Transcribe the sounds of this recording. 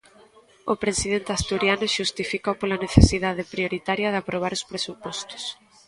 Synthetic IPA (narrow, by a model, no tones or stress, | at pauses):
opɾesið̞ent̪ɪast̪uɾjanʊʃust̪ifikowpolaneθesiðað̞epɾioɾit̪aɾjɐðeapɾoβ̞aɾospɾesupɔst̪ʊ̥s